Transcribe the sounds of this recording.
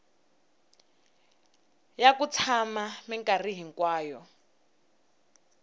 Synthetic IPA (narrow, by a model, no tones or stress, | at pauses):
jakut͡sʰamamiŋkariɦiŋkwaːjɔ